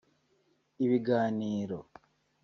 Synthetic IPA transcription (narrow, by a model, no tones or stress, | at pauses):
iβiɡaːniːɾo